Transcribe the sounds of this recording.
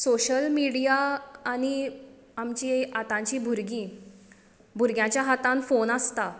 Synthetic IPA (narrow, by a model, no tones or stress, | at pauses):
soɕəlmiɽijaːni | amt͡ɕiat̪ãɲt͡ɕibʱuɾɡi | bʱuɾɡjãt͡ɕjaɦat̪ãnfonast̪a